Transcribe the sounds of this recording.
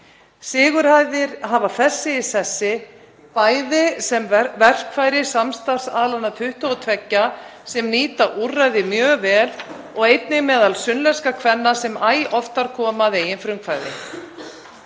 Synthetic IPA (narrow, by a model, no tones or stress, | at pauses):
sɪːɣʏɾ̥hajðɪɾ̥ɦaːvaθɛsːɪɪsɛsːɪ | paːjðɪsɛmvɛr̥kʰvajɾɪsamst̪ar̥saːðlanːat̪ʰʏht̪ɔɔt̪ʰvɛcːasɛmniːt̪aʔurːajðɪmjœːɣvɛːl | ɔɣejt̪nɪmɛːðalsʏnlɛskakʰvɛnːasɛmaːjʔɔft̪aɾ̥kʰɔːmaðeːjɪnfɾʏmkʰvaːjðɪ̰